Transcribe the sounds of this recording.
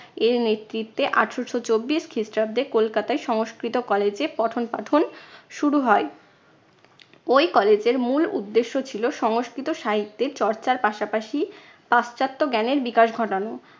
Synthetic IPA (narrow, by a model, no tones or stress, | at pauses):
eɾnet̪ːɾit̪ːeʔaʈʰʃoʃʰot͡ɕobːiʃkʰisʈab̚d̪ekolkat̪aeʃɔŋoskɾit̪okɔled͡ʑepɔʈʰonpaʈʰonʃuɾuɦɔe | ojkɔled͡ʑeɾmulṵd̪ːeʃːot͡ɕʰiloʃɔŋoskɾit̪oʃaɦit̪ːeɾt͡ɕɔɾt͡ɕaɾpaʃapaʃi | past͡ɕat̪ːoɡɛneɾbikaʃɡʱɔʈano